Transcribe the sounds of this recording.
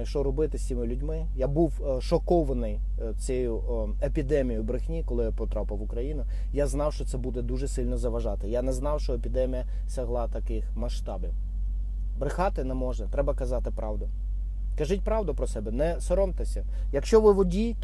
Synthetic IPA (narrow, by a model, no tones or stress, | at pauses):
jɐkʃt͡ʃɔɾɔbɪt̪ɪsʲtʲimɪlʲʊdʲmɪ | jabuwʃɔkɔʋɐnɪj | t͡sʲɛjʊ | epʲid̪ɛmʲijʊbɾɪxnʲikɔlˠɪjapɔt̪ɾɑpɪʋʊkɾɐjinʊ | jaznɑwʃt͡ʃɔt̪sɛbud̪ɛd̪uʒɛsɪlʲnɔzɐʋɐʒɑt̪ɪjanɛznɑwʃt͡ʃɔepʲid̪ɛmʲijɐ | sɛɦlˠɑt̪ɐkɪxmɐʃt̪ɑbɪw | bɾɪxɑt̪ɪnɛmɔʒɛt̪ɾɛbɐkɐzɑt̪ɪpɾɑwd̪ʊ | kɐʒɪt̚ʲpɾɑwd̪ʊpɾɔsɛbɛnɛsɔɾɔmt̪ɪsʲɐ | jɐkʃt͡ʃɔʋɪʋɔdʲit̪